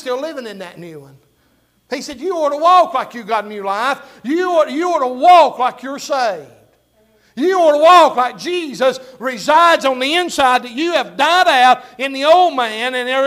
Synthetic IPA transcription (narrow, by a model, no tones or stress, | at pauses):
stɪlɪvɪ̃ŋɨ̃nðɨtⁿnʉə̃n | isɛdjɨɔɹɾəwɔklaɪkjɨɡɑɾn̩jʉlaɪf | jɨjɨɔɾəwɔklaɪkʰjə˞seɪvvd̥ | jɨɔɾəwɔklaɪk̚d̥ʒ̥izɨsɹɪzaɪdzn̩ðiɪ̃nsaɪd̪̚ðɨt͡ʃɨːvdaɪɾaʊɾɨ̃nðioʊlˠd̚mæ̃nɨ̃nɛ